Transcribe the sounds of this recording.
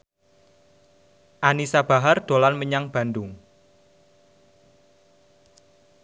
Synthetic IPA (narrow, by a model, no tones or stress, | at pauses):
ʔanisab̥a̤ɦard̪̥o̤lanməɲaŋb̥a̤nd̪ʊŋ